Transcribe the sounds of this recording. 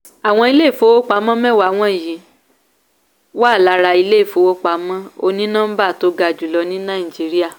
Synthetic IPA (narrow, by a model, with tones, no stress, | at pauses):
a˨w̃ɔ̃˧i˧le˦˨fo˧˦wo˦k͡pa˧˦mɔ̃˦mɛ̃˦wa˨w̃ɔ̃˧˦˨jĩ˨˦ | wa˦˨la˨˧˦ɾa˧i˧le˦˨fo˨˧˦wo˦k͡pa˨˦mɔ̃˦o̰˧nĩ˦nãː˦m̩˦ba˦˨to˨˦ɡa˧˨d͡ʒu˨lɔ˧˦nĩ˦nã˦˨i˨d͡ʒi˨˦ɾi˦a˦˨